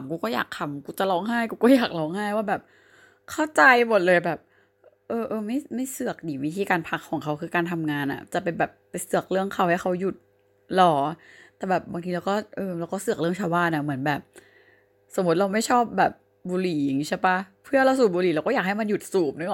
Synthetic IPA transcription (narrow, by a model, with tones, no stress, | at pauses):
mkuː˧kɔː˥˩ja̰ː˨˩k̚t̪ʰa˧mkuː˧t͡ɕa˨˩lɔː˧˥ŋɦa˥˩jkuː˧kɔː˥˩jaː˨˩k̚lɔː˧˥ŋhaː˥˩jwaː˥˩bɛː˨˩p̚ | kʰa˥˩wt͡ɕa˧jmo˨˩t̪̚lɤː˧jbɛː˨˩p̚ | ʔɤː˧ʔɤː˧ma˥˩jma˥˩jsɯ˨˩ək̚diː˨˩˦wi˦˥t̪ʰiː˧kaː˧npʰa˦˥kʰːɔː˨˩˦ŋkʰa˦˥wkʰɯː˧kaː˧nt̪ʰa˧mŋaː˧nʔa̰˨˩t͡ɕa˨˩pe˧nbɛː˨˩p̚ːa˧jsɯ˨˩ək̚lɯ˥˩əŋkʰa˧˥wha˥˩jkʰa˦˥wju˨˩t̪̚ | lɔː˩˦t̪ɛː˨˩bɛː˨˩p̚baː˧ŋt̪ʰiː˧la˧wkɔː˥˩ʔɤː˧la˧wkɔː˥˩sɯ˨˩k̚lɯ˥˩əŋt͡ɕʰa˧wbaː˥˩˨nʔa˧˩mɯ˩˦ənbɛː˨˩p̚ | so˩˦mːu˦˥t̪̚ɾa˧wma˥˩jt͡ɕʰɔː˥˩p̚bɛː˨˩p̚ | buː˧liː˨˦a˨˩ŋi˦˥t͡ɕʰa˥˩pa˦˥pʰɯ˥˩ɐɾa˧wsuː˨˩buː˧liː˨˦la˧wkɔː˥˩jaː˨˩ha˥˩jma˧nju˨˩t̪̚suː˨˩p̚na˦ɔ˨˩